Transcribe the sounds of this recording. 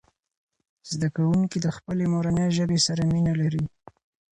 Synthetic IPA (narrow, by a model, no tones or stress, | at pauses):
z̥d̪akawuŋkid̪əxpəlemoɾaneʒəbesaɾaminalaɾi